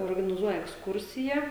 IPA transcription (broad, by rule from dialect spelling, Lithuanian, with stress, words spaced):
oːrɡɐnʲɪˈzuɔjɛ ɛksˈkʊrʲsʲɪjɛ